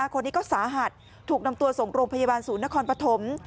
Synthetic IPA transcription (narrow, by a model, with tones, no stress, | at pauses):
kʰo˧nːiː˦˥kɔː˥˩saː˩˦ɦa˨˩t̪̚ʰːuː˨˩k̚na˧mt̪u˧ɐso˨˩ŋɾoː˧ŋpʰa˧ja˧baː˧nsuː˨˩˦nːa˦˥kʰɔː˧npɾa˧t̪ʰo˩˦m